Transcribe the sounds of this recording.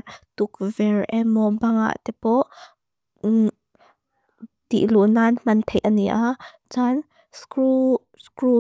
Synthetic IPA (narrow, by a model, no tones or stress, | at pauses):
t̪uk̚vɛɹʔɛmɔbɐŋa̰ʔt̪ɛpɔʔ | t̪ḭʔlunanm̥ɐnt̪ʰɛʔaniʔa | t͡san | su | skɾu